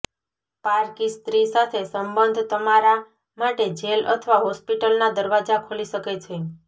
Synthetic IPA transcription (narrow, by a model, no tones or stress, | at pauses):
paɾkist̪ɾisat̪ʰesəmbənd̪ʱt̪əmaɾa | maʈed͡ʒelə̰t̪ʰəʋaɦɔspiʈəlnad̪əɾʋad͡ʒakʰoliʃəket͡ʃʰe